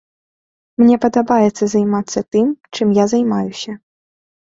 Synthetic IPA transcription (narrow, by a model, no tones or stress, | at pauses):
mnʲɛpɐd̪ɐbajɛt̪sːɐzajmat̪sːɐt̪ɨmt͡ʂɨmjazajmajusʲɐ